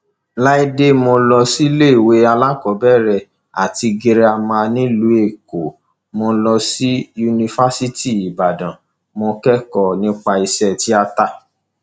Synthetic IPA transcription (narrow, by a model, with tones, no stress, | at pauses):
la˦i˦de˦mõ˧lɔ˧si˦le˦i˨we˨˦a˧la˦kɔ˨˦bɛ˦˨ɾɛ˧˨ | a̰˨ti˧ɡe˧ɾe˧a˧mã˧nĩ˦lu˨˦e˦˨ko˨ | mõ˧lɔ˧si˦ju˧nĩ˧fa˦si˦ti˦˨i˨ba˨dã˨ | mõ˧kɛ˦kɔ˦˨nĩ˦k͡pa˧i˧sɛ˧ti˦a˧ta˦